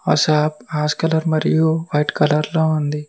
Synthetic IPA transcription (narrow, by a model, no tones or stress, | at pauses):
ɔsaːpaːskɐlɐɾmɐɾijuʋɐjʈkɐlɐɾloːund̪i